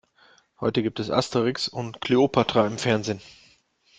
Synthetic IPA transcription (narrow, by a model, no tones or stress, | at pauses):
hɔʏtəɡiːp̚tɛsʔa̰stəʁɪksʊntkʰl̥eopʰatʁ̥aɪmfɛɐnzeːn